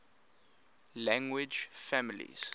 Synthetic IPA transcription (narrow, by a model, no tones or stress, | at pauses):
lãŋɡwɪd͡ʒfamilḭz̥